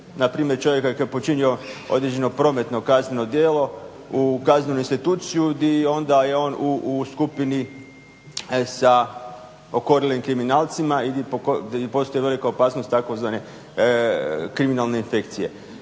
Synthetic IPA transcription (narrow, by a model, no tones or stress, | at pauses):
napɾiːmjeɾt͡ʃo̞ʋje̞kajkojepo̞t͡ʃinio̞o̞d̪ɾed͡ʑeno̞pɾo̞ːme̞t̪no̞kazne̞no̞d̪jeːlo̞ | ukazne̞nuinst̪it̪uːt̪sijud̪io̞nd̪aje̞o̞ːnuːskupini | sa | o̞ko̞ɾilimkɾiminaːlt̪simaid̪ipokopo̞st̪ojeʋe̞likaopaːsnost̪ako̞zʋane̞ | kɾiminalˠne̞infe̞kt̪sije̞̰